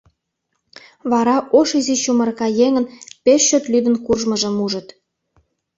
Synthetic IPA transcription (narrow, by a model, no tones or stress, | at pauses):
βɑɾɑʔoʃizit͡ɕumə̆rkɑjeŋə̆npeʃːøt̪lyd̪ə̆nkurʒməʒə̆muʒə̆t̪